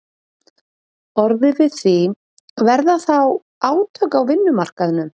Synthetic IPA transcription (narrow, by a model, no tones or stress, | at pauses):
ɔɾðɪvɪðθvi | vɛɾðaθaw | aːwt̪ʰœkawvɪnːʏmar̥kaðɪnʏm